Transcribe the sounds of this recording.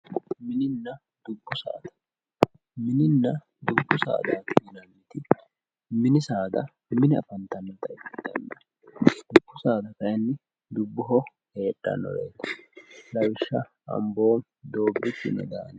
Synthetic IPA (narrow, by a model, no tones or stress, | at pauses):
mɪnɪnːɐ | d̪̥ʊbːʊsa̰ːd̪ɐ̥ | mɪnɪnːɐ | d̪ʊbːʊsa̰ːd̪aːt̪ɪɡɪnɐnit̪ɪ | mɪnɪsaːd̪ɐ | mɪnɪɐ̰fɐnt̪ɐnːɐt̪ɐɪfd̪ɐ̰nːɐ | d̪̥ʊbːʊsaːd̪ɐkɐjnːɪ | d̪ʊbːʊɦɔ | he̞ːtːɐ̰nɔ̰ɾḛːt̪ːɐ̥lɐwɪʃːɐ | ɐ̰mbo̞ːm | d̪o̞ːbːɪt͡ʃːɪ̰nɛ̰d̪a̰ːn